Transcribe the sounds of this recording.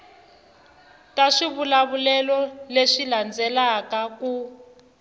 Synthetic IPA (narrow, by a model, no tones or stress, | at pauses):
taʂiβulaβulɛlɔleʂiland͡zɛlakaku